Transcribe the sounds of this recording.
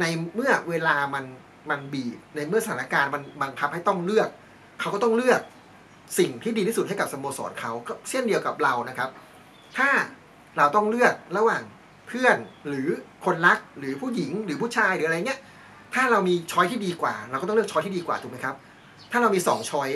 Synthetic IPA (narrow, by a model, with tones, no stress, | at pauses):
na˧jmɯ˥˩ɐweː˧laː˧ma˧n | ma˧nbiː˨˩t̪̚na˧jmɯ˥˩sa˧aː˨˦na˧kaː˧nma˧nba˧ŋkʰa˦˥p̚ha˥˩jt̪ɔ˥˩ŋlɯ˥˩ək̚ʰː | a˦˥wkɔ˥˩t̪ɔ˥˩ŋlɯ˥˩ək̚ | si˨˩ŋt̪ʰiː˥˩di˧iː˥˩su˨˩t̚ha˥˩ka˨˩p̚sa˧moː˧sɔ̰ː˩˦nkʰa˦˥wkɔː˥˩si˥˩əndi˧əwka˨˩p̚ɾa˧wna˦˥kʰa˦˥p̚ | t̪ʰaː˥˩ | ɾa˧wt̪ɔ˥˩ŋlɯ˥˩ək̚ɾa˧˥waː˨˩ŋ | pʰɯ˥˩ənɾɯː˩˦kʰo˧nla˦˥k̚ɾɯː˨˩˦pʰuː˥˩ji˩˦ŋɾɯː˩˦pʰuː˥˩t͡ɕʰaː˧jɾɯː˩˦ʔjni˦˥ɐʔ | t̪ʰaː˥˩ɾa˧wmiː˧t͡ɕʰɔː˦˥jt̪ʰiː˥˩diː˧kwa̰ː˨˩ɾa˧wk̪ːlɯ˥˩k̚t͡ɕʰɔ˦jt̪ʰiː˥˩iː˧kwaː˨˩t̪u˨˩ma˦˥kʰa˦˥p̚ | t̪ʰaː˥˩ɾa˧wmiː˧sɔː˩˦ŋt͡ɕʰɔ˦˥j